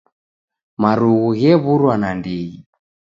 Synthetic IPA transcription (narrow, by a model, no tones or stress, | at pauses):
maɾuɣuɣɛβuɾwanandiɣi